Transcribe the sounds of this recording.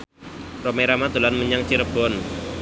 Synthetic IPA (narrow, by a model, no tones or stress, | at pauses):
romeɾamad̪̥o̤lanməɲaŋt͡ʃiɾəb̥ɔn